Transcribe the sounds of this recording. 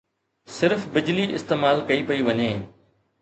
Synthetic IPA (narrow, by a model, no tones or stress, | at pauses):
sɪɾfbɪd͡ʑliʔɪ̰st̪eːmaːlkɐipɐiʋɐɲeː